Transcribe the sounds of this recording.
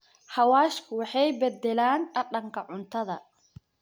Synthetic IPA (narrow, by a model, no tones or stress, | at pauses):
ħɐwaːʃkʰʊwɑħɑjbɛd̪ːɛlaːnɐɗɐŋkʰɐʕʊnt̪ʰɐðɐ